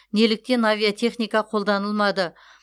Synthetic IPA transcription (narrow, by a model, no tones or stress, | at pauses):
ne̞lɪk̚t̪e̞navʲijat̪ʰe̞χnijkɑqʰo̞lˠd̪ɑnəlˠmɑd̪ə